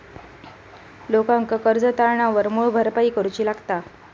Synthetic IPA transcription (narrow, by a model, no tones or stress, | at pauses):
lokãŋkakəɾd͡zət̪aɭɳaʋəɾmuɭbʱəɾpaiːkəɾut͡ɕiːlaɡt̪a